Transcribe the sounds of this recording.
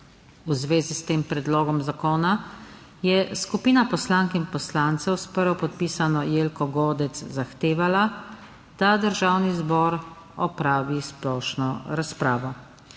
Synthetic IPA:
uzʋeːzist̪eːmpɾɛd̪loːɡɔmzakoːna | jɛskupiːnapɔslaŋkinpɔslant̪sɛwspəɾʋɔpɔt̪̚piːsanɔjeːlkɔɡoːd̪ɛt̪szaxt̪eːʋala | d̪̥ad̪əɾʒaːwnizbɔːɾ | ɔpɾaːʋisplɔːʃnɔɾaspɾaːʋɔ

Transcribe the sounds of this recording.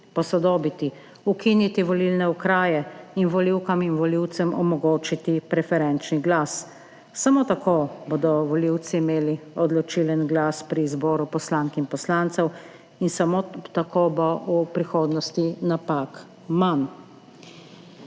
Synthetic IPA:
pɔsɔd̪oːbit̪i | ukinit̪iʋɔlilnɛukɾaːjɛinʋɔliwkaminʋɔliwt̪sɛmɔmɔɡoːt͡ʃit̪ipɾɛfɛɾɛnt͡ʃniɡlasː | amot̪akoːbod̪ɔʋɔliwt̪siːmeːliɔd̪lɔt͡ʃilənɡlaːspɾizboːɾupɔslaːŋkinpɔslant̪sɛw | insamot̪akobɔupɾixoːd̪nɔst̪inapak | man

